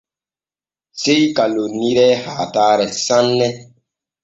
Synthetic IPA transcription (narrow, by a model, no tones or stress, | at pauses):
sejkaloniɾɛhaːtaːɾɛsanːɛ